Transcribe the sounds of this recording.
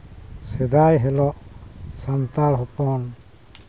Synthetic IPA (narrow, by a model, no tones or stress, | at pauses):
sɛd̪ajɦɛlɔʔsant̪alɦɔpɔn